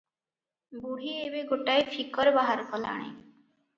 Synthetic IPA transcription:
buɦiebeɡoʈaefʰikɔɾbaɦaɾkɔla̰ɽ̃ḛ̃

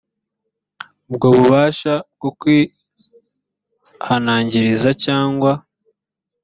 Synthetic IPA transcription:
bɡoːβuβaːʃabɡokwi | hanaːɲɟiɾizacaːŋɡwa

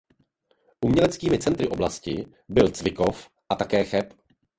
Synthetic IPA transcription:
ʔumɲɛlɛt͡skiːmɪt͡sɛnt̪ɾɪʔo̞blascɪ | bɪlt͡svɪko̞f | ʔat̪akɛːxɛp

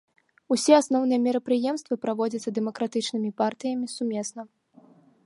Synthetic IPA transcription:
usʲɛasnɔwnɨjɛmʲɛɾɐpɾɨjɛmst̪vɐpɾavɔd͡zʲɐt̪sːɐd̪ɛmɐkɾat̪ɨt͡ʂn̪ɨmʲipart̪ɨjɐmʲisumʲɛsnɐ

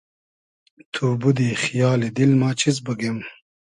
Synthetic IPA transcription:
t̪ʰuːbud̪ixijɑːlid̪ilmɑːt͡ɕʰiz̬bəɡem

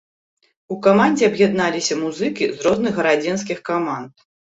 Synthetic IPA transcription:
ukamanʲd͡zʲɛɐbjad̪nalʲisʲɐmuzɨkʲizɾɔznɨɣːɐɾad͡zʲɛns̬kʲixkamant̪̚

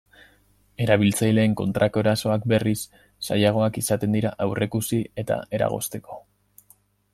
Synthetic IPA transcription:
e̞ɾaβ̞ilt͡sajle̞ːŋko̞nt̪ɾʔako̞eɾaso̞akbe̞risː | ajaɣ̞o̞akisat̪e̞nd̪iɾaʔawre̞kusie̞t̪a̰e̞ɾa̰ɣ̞o̞̰st̪e̞ko̞̥

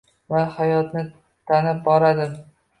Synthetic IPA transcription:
vahajɒt̪nɪ | t̪ʰanɪp̚bɒɾad̪ɪ

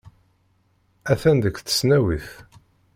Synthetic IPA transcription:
æθænd̪əkːθə̥snæwiθ

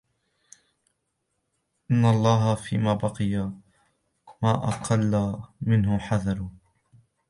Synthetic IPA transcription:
ʔɪnːalˤːɑːɦafḭːmaːbɑqɨja | maːʔɑqʰɑlːamɪnɦʊħaðɑɾˤʊ

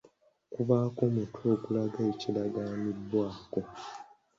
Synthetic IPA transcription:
kuβaːkomutʰuo̞ɡulaɡaicilaɡaːmidːwaːko̞

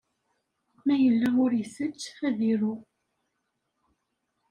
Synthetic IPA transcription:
mæjəlːæʊɾjəsət͡ʃːæðiɾʊ

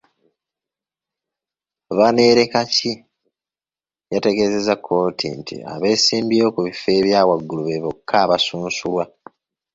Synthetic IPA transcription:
βane̞ːɾe̞kaci | jate̞ɡe̞ze̞zakʰːo̞ːtʰḭntʰḭa̰βe̞ːsiːmbio̞kuβife̞ːβjaːwaɡːuluβe̞βokʰːaːβasuːnsulwa

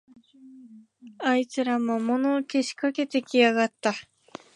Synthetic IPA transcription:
ait͡sɨɾamomo̞noːke̞ɕi̥kake̞t̪e̞kʲiaɡat̪ːa

